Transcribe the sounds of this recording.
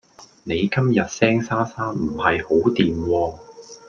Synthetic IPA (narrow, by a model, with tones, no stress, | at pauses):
ne˨˧jkɐ˥mjɐ˨t̚sɛː˥ŋsaː˥saː˥nm̩˨˩hɐ˨jho˨˥wt̪iː˨mwɔː˧